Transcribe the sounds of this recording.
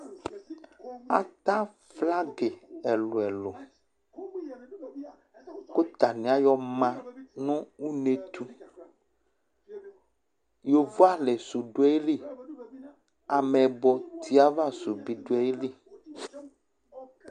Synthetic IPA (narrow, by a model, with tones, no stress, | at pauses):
a̰˨t̪ã˦ | fla˦ɡe˨ɛ˨lo˨ɛ˨lo˨ | ko˦t̪a˨nĩ˨a˦jɔ˦mã˦nũ˦u˦ne˦t̪u˦ | jo˨vo˦a˦le˨so˨ɖo˦ɛ˦li˦˨ | a˨me˨bɔ˨t̪ʰi˦a˦va˦˨su˨bi˨ɖo˨˦ɛ˦li˦˨